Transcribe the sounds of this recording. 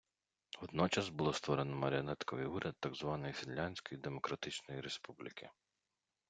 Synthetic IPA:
ʋɔd̪̚nɔt͡ʃɐsbulˠɔst̪ʋɔɾenɔmɐɾʲeɔnɛt̪kɔʋɪ̰juɾʲɐd̪̚ːaɡzʋɑnɔjisɪlʲːanʲsʲkɔjid̪emɔkɾɐt̪ɪt͡ʃnɔjiɾespublʲɪkʰɪ

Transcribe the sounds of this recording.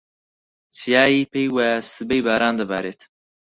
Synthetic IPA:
t͡sijaːjipejwasɨbejbaːɾaːnd̪ɐba̰ːɾeːt̪

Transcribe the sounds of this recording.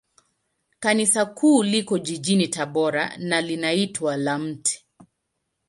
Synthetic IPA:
kanisakʰuːlikɔʄiʄinitaɓɔɾa̰nalinaitwalam̩tʰɛ̥

